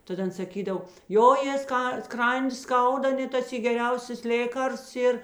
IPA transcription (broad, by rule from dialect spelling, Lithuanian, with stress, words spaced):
ˈtɐt ˈɐn sɐˈkʲiːdɐw ˈjoː jeː ˈskɐ ˈskrɐnʲdʲɪ ˈskɐʊdɐ ˈnʲɛt tɐs ɪ ɡʲɛˈrʲɛʊsʲɛs ˈlʲeːkɐrsts ˈiːr